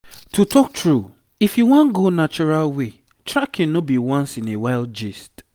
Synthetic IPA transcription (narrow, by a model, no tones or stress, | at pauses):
tʰutʰɔk̚tɹu | ifjuwɔ̃nɡonat͡ʃɔɹalwe | tɹakʰːɛ̃nnɔbiwãnsĩnewaɪld͡ʒist